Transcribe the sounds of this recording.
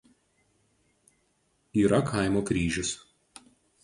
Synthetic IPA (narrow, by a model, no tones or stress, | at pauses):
iːɾɐkʰaˑɪmoːkɾʲiːʒʲʊs